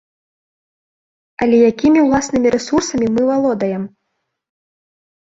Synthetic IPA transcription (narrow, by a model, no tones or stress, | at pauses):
ɐlʲɛjakʲimʲiwlˠasnɨmʲiɾɛsursɐmʲimɨvalˠɔd̪ɐjɛm